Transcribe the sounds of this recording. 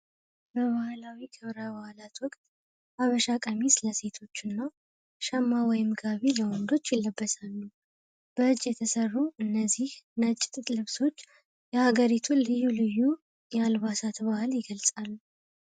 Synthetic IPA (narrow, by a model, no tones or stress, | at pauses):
bəβahlawikʰəβɾaβahlat̪wɔkʼt̪ʼ | aβəʃakʼəmisləse̞t̪ʰo̞t͡ʃːɪnːaw | ʃəmːawɔjmɡaβiləwɔnd̪o̞t͡ʃːjɪlːəbːəsalːu | b̥əɨt͡ʃʼːjɛt̪ʰəsərːuʔɨnːəzːihnət͡ʃʼːɪ̥t̪ʼɨt̪ʼlɨβso̞t͡ʃː | jɛhaɡəɾit̪ʰulɨjːulɨjːu | jɛalβasat̪bahljɪɡəlsʼalːu